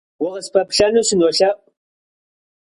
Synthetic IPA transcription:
wʊʁəspʰɐpɬɐnuːsɨnoːɬɐʔʼ

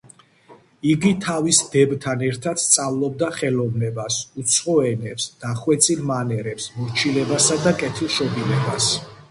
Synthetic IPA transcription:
iɡit̪ʰavisd̪ɛbt̪ʰanɛɾt̪ʰat̪st̪sʼavlˠɔb̚d̪aχɛlɔvnɛbasut̪sʰχɔɛnɛpsd̪̥aχwɛt̪sʰʼilmanɛɾɛpsmɔɾt͡ʃʰilɛbasad̪akʼɛt̪ʰilˠʃɔbilɛbas

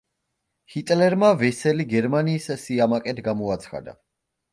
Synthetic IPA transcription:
hit̪ʼlɛɾmavɛsɛliɡɛɾmaniːssiamakʼɛt̪ʰɡamɔat̪sʰχa̰d̪a̰

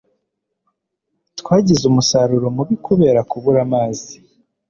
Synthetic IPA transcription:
tkwaːɟizumusaɾuɾo̞muβikuβe̞ːɾakuβuɾamaːzi

